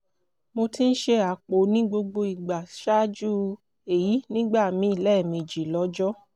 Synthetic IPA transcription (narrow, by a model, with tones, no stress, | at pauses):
mo˧ti˦n̩˦ʃe˧a˨k͡po˨˦nĩ˦ɡ͡bo˧ɡ͡bo˧i˨ɡ͡ba˨ʃa˦d͡ʒu˦ | e˨ji˨˦nĩ˦ɡ͡ba˦˨mĩ˨˦i˦˨lɛː˦˨mĩ˧d͡ʒi˨lɔ˨˧˦d͡ʒɔ˦